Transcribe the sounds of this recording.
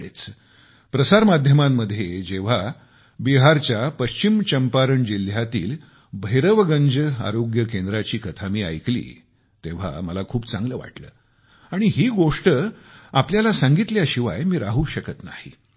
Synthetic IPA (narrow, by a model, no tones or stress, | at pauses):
et͡s | pɾəsaɾmad̪ʱjəmamːəd̪ʱjed͡ʑeʋ̤a | biɦaɾt͡ɕjapəɕt͡ɕimt͡ɕəmpaɾəɳd͡ʑil̤jat̪ḭːl | bʱəjɾəʋɡənd͡ʑəa̰ɾoɡjəkend̪ɾat͡ɕiːkət̪ʰamiːa̰jklḭː | t̪eʋ̤a̰məlakʰuːpt͡sãŋɡləːʋa̰ʈlə̰ː | aɽ̃iɦiːɡoʂʈəapljalasaŋɡit̪ljaɕiʋa̰jmiːɾaɦuːɕəkət̪na̰hḭ